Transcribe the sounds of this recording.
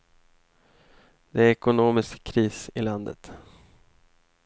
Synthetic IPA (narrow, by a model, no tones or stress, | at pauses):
d̪̥ɛæɾɛkʊnoːmɪskʰːɾiːsɪland̪ə̰t̪